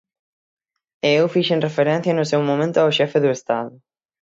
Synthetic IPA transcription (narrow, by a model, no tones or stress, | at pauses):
eewfiʃenrefeɾɛ̃n̟θjɐnʊsewmõmẽnt̪ʊawʃɛfɪðʊest̪a̰ðʊ